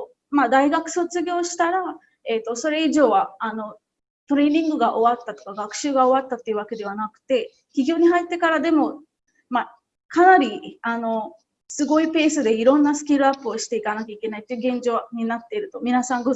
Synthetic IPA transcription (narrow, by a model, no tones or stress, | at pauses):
mad̪aiɡakɯ̟̥so̞t͡sɨɡʲo̞ːɕi̥t̪aɾa | e̞t̪ːo̞so̞ɾe̞iʑo̞ːβaano̞ | t̪o̞ɾe̞ːɲ̟ĩŋɡɯ̟ɡaʔo̞βat̪ːat̪o̞kaɡakɯ̟̥ɕɨːɡao̞βat̪ːat̪ːeiɯ̟βake̞d̪e̞βanakɯ̟̥t̪e̞ | kʲiɡʲo̞ːɲ̟iɦait̪ːe̞kaɾad̪e̞mo̞ | ma | kanaɾʲiano̞ | sɨɡo̞ipe̞ːsɨd̪e̞iɾõ̞nːasɨ̥kʲiɾɯ̟apːɯ̟oɕi̥t̪e̞ikanakʲaikʲe̞nait̪ːeiɯ̟ɡẽ̞ɲ̟d͡ʑo̞ːɲ̟inat̪ːe̞iɾɯ̟t̪o̞mʲinasãŋɡo